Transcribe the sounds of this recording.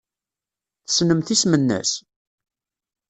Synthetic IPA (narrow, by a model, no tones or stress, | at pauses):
θə̥snəmθismənːæ̰s